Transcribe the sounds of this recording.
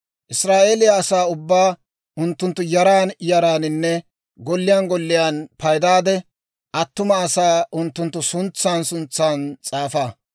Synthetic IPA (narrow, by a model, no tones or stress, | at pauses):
ʔɪsɾaːʔe̞ːlɪjɐːsaːʊbːaː | ʔʊnt̪ːʊnt̪ːʊjɐɾaːnjɐɾaːnɪnːɛ | ɡɔlːɪjanɡɔlːɪjaːnpɐjd̪aːd̪ɛ | ʔɐt̪ːʊmɐːsaːʔʊnt̪ːʊnt̪ːʊsʊnt͡sːaːnsʊnt͡sːaːnt͡sʼaːfaː